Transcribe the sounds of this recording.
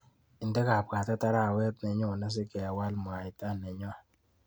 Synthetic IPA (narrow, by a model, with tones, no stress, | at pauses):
i˨ndɛ˦ka˨p̚ka˨ta˦ta˦ɾa˦˨wɛ˦t̚nɛ˨ɲo˦˨na˦s̬ɪ˦kɛ˨a˨wa˦lm˨a˨ɪ˨ta˦nɛ˨ɲɔ˦